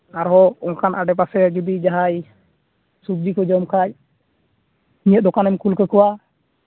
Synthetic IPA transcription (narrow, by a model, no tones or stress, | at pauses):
aɾɦɔɔŋkʰanʔaɖɛp̬asɛɡibid͡ʒaɦaj | sub̚d͡ʒikɔd͡ʒɔmkʰac̚ | nĩəd̪ɔkanɛmkulkəkɔwa